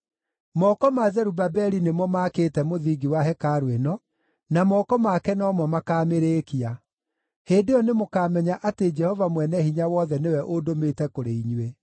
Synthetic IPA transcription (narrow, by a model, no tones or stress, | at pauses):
mɔkɔmazɛɾubabɛɾinemwɔmaːkeːtɛmoðiɡiwaɦɛkaːɾwenɔ | namɔkɔmakɛnɔːmɔmakaːmeɾeːkia | heːdeɔnemokaːmɛɲaʔated͡ʒɛhɔvamwɛnɛhiɲawɔðɛnewɛʔodometɛkoɾeiɲwe